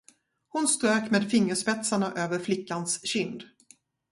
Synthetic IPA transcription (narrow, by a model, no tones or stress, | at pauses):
hʊnst̪ɾøːkmeːd̪fɪŋːəʂpɛt̪saɳaʔøːvəɾflɪkːansɕʏnd̪